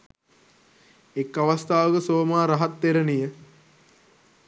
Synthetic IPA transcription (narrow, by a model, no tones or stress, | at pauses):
ekːaʋast̪aːʋəkəsoːmaːɾaɦat̪ːeɾənijə